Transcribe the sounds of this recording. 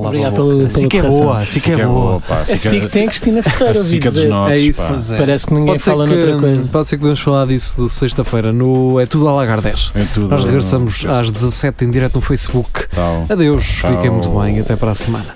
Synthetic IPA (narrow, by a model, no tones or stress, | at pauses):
lɔaβɾiɣaðpelˠɐsẽiɐkɛʁβoɐɐsĩkɛβoɐpa̰kĩkt̪ɐ̃j̃ɐkɾiʃt̪inɐfɨʁɐjɾɐvikɐeɔɛis | ɛpɐɾɛsknĩŋɡpɔð̃seɾalˠɐtɐkojzɐpɔðseɾk̚puðemuʃfɐlˠaɾðisuðɨsɐjʃt̪ɐfɐjɾɐnuɛt̪uðualˠaɣaɾðɛʃt̪uðnɔʃʁɨɣɾɨsɐmuzaʒd̪ɨzɐsɛt̪ẽj̃d̪iɾɛt̪unufɐjsβuka̰wɐðewʃlˠikɐ̃mũt̪uβɐ̃j̃ɐt̪ɛpɐɾasmɐ̰nɐ